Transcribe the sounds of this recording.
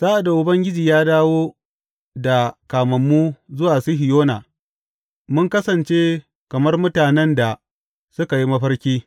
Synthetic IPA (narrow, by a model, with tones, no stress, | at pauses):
z̥aː˦ʔa˨da˨ʔʊ˦bɐ˦ŋɡʲɪ˦d͡ʒiː˨jaː˦daː˦woː˦ | da˨kaː˨mɐ˨mːu˦zʊ˦waː˨su˦ɦɪ˨joː˦na̰ː˨ | mʊ˦ŋkɐ˦sɐ˨nt͡ʃeː˦ | kɐ˨mɐ˦rmʊ˦taː˨nɛ˦nda˨ | sʊ˦ka˨ji˦mɐ˦ɸɐ˦rkʲiː˦